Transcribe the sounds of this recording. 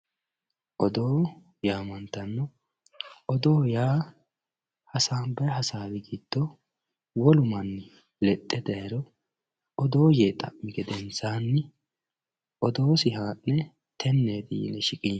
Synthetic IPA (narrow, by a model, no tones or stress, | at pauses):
ʔɔd̪o̞ː | jaːmɐnt̪ːɐnːɔ | ʔɔd̪o̞ːjaː | hɐsaːnbɐjɦɐsaːd̪ɪɡiːd̪̥ːɔ | wɔlʊmɐnːɪ | lɛt̪ʼːɛd̪ɐjɛɾɔ | ɔd̪o̞ːjeːt̪ʼɐ̰ʔmːɪɡɛd̪ɛnt͡saːnːɪ | ʔɔd̪o̞ːsɪɦaːnːɛ | t̪ʰɛnːeːd̪ḭːlɛʃɪkʼiː